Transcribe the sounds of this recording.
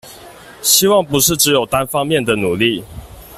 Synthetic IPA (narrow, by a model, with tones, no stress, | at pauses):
ɕi˥wɑ˥˩ŋpu˨˦ʂɻ̩˥˩ʈ͡ʂɻ̩˧˦jo˨˩ʊt̪a˦nfɑ˦ŋmjɛ˥˨nd̪ə˨nu˨˩li˥˨